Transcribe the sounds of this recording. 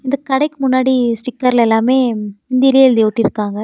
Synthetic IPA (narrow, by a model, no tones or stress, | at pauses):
ɪnd̪ɐkːɐɽɐɪkːɯmʊnːaːɽisʈɪkːɐɾɪlɛlːaːmeːɪnd̪ɪɾɪjld̪eʋʈːɪɾɯkːaːŋɡɐ